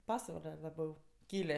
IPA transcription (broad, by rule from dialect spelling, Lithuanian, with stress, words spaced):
ˈpɑːsʋɐlʲɛ lˠɐˈbʲɛʊ ˈkʲiːlʲeː